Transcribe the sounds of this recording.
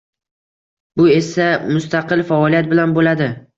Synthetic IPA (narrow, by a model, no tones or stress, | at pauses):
bʊe̞samʊst̪aqɨlfaɒlijat̪̚bɪlanbolad̪ɪ